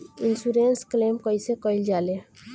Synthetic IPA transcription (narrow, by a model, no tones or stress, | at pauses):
insuɾensklemkəjsekəjld͡ʒale